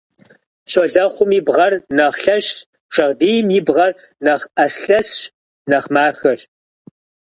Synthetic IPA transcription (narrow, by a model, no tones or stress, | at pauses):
ɕoɮɐχʷʊmiːbʁɐrnɐʁɬɐɕ | ʂɐʁdeːjmibʁɐr | nɐʁʔɐsɬɐsɕ | nɐχmaːxɐr